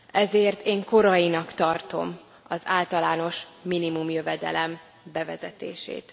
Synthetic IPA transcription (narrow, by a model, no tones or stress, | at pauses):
ɛzeːrt̪eːŋko̞ɾɒjinɒkt̪ɒrt̪o̞̰m | ɒzaːlt̪ɒlaːno̞ʃminimumjø̞vɛd̪ɛ̰lɛm | bɛvɛzɛt̪ḛːʃḛːt̪